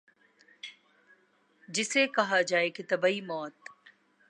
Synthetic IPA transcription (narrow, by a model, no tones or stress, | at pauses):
d͡ʒɪsekɐɦad͡ʒaːeket̪ɐbaimɔːt̪